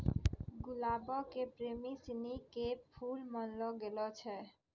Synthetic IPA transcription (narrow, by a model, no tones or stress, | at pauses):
ɡulabokepɾemisinikepʰulmɔnloɡelot͡ɕʰe